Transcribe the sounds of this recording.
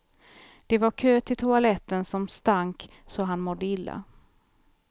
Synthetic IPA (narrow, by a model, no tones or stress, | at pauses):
d̪̥ɛvaɾkʰøːt̪ɪt̪ʰʊalɛt̪ːənsɔmst̪aŋk | sɔɦanmɔd̪ːəɪlːa̰